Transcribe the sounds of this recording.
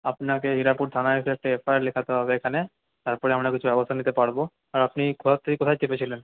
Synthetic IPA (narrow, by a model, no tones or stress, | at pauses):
apnakeɦiɾapuɾt̪ʰanaɦekuɛk̚ʈaefʰajaɾlekʰat̪eɦɔbeekʰane | t̪aɾpɔɾeamɽakit͡ɕʰubɛbost̪ʰanit̪epaɾbo | aɾapnikɔat̪ʰːiikot̪ʰajt͡ɕepet͡ɕʰilen